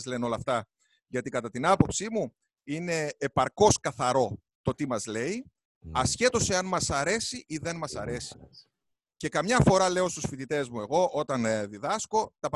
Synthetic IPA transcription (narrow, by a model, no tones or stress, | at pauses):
zle̞no̞lɐft̪ɐ | ʝɐt̪ikɐt̪ɐt̪inɐpo̞psimu | ine̞ːpɐɾko̞skɐθɐɾo̞ | t̪o̞t̪imɐzle̞i | ɐsçe̞t̪o̞seɐnmɐsɐɾe̞siʔiðe̞nmɐsɐɾe̞si̥ | ce̞kɐmɲɐfo̞ɾɐle̞o̞st̪usfit̪it̪e̞zmue̞ɣo̞ʔo̞t̪ɐnðiðɐsko̞t̪ɐp